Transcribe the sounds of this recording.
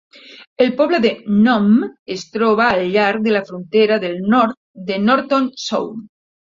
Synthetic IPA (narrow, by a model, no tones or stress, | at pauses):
elpɔβleðenɔmest̪ɾɔβ̞aːlʎaɾðelafɾunt̪eɾaðelnɔɾt̪ | d̪enɔɾt̪onso̰wm